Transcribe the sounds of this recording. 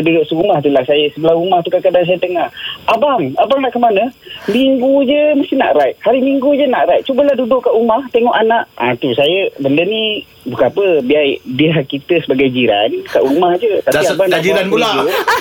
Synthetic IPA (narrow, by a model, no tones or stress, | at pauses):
dudʊʔsəɾumaht̪ulahsajəsəbəlahumaht̪ukakadaŋs̬ajət̪əŋahabaŋabaŋnaʔkəmanəmiŋɡud͡ʒəməst̪ina̰ʔɾajʔ̚haɾimiŋɡud͡ʒənaʔɾajt̪̚t͡ʃubəlahdudʊʔkːaʔumaht̪eŋɔʔanaʔat̪usajəbəndəni | bukanapəbiajdiɦakːit̪əsəbaɡajd͡ʒiɾa̰nka̰ʔumahd͡ʒət̪aiabaŋnaʔiɾanulau